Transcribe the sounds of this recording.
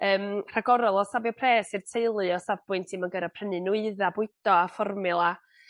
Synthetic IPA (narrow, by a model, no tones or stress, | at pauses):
əːmr̥aɡɔɾɔlˠɔsabjɔpʰrɛːsɨr̥tʰejlˠɨɔsabb̥ʊɨntʰimanɡəɾapʰr̥ənɨnuɨðabʊɨd̥ɔafɔrmɨlˠa